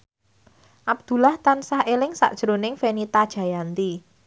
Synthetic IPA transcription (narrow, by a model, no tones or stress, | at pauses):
ʔab̚d̪̥ṳlaht̪ansahelɪŋsa̰ʔd̥ʒ̥əɾonɪŋfenit̪ad̥ʒ̥a̤jant̪i